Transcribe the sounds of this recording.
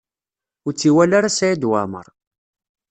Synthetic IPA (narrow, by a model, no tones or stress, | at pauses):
ʊɾt͡sːiwælaɾasæjid̪wamə̰ɾˤ